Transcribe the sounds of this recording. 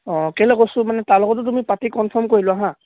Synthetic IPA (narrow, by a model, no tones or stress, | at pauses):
ɔ̃kɛlɛkosʊ̃manɛtaɹlɔɡɔt̬ʊt̬umipatikɔnpʰɔɹmkoɹilɔaɦã